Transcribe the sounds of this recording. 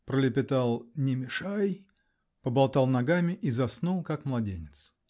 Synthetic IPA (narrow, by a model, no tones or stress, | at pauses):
pɾəlʲɪpʲɪt̪alˠnʲɪmʲɪʂaj | pəbɐlˠt̪alˠnɐɡamʲɪʔizɐsnulˠkakmlˠɐdʲenʲɪt̪s